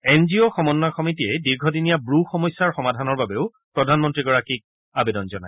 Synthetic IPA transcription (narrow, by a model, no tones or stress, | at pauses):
ɛnzioxɔmɔnːaxɔmitiɛdiɹɡʱɔdinijabɹuxɔmɔjsːaɹxɔmadʱanɔɹbabeʊ | pɹɔdʱanmɔntɹiɡɔɹakik̚ | abedɔnzɔna̰j